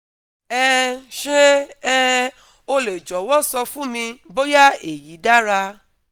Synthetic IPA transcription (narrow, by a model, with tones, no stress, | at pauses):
ɛ˦ʃe˦ɛ˦˧ | o˧le˨d͡ʒɔ˨˦wɔ̃˦sɔ˧fũ˦mĩ˧bo˦ja˦e˨ji˨˦da˦ɾa˧